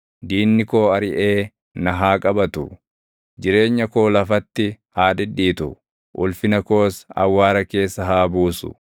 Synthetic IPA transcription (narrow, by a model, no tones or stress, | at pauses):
d̪iːnːɪko̞ːɐɾɪʔe̞ː | nɐɦaːkʼɐbɐt̪ʊ̰ | d͡ʒɪɾe̞ːɲːɐko̞ːlɐfɐt̪ːɪhaːᶑɪᶑiːt̪ʊ | ʔʊlfɪnɐko̞ːsɐ̰wːaːɾɐke̞ːsːɐɦaːbuːsʊ̰